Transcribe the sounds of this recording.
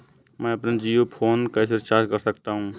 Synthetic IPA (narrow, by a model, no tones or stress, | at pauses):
mɛ̃əpnad͡ʒijopʰoːnkasɪɾt͡ʃaːɾkəɾsəkt̪aɦũː